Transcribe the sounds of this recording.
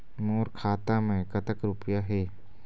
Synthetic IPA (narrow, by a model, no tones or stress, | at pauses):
moːɾkʰaːt̪amẽkɐt̪əkɾʊpjaɦɛː